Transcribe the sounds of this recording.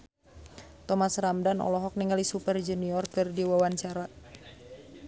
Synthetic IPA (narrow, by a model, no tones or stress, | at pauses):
t̪ɔmasramdanɔ̰lɔɦɔk̚niŋalisupərd͡ʒuniɔrkɨrdiwawaɲt͡ʃaɾa